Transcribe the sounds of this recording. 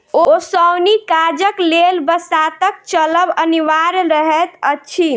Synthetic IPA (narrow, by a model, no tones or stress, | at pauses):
oosəwnikad͡ʒəklelbəsat̪ək̚t͡ʃələbəniʋaɾɾəɦɛt̪əːt͡ʃʰi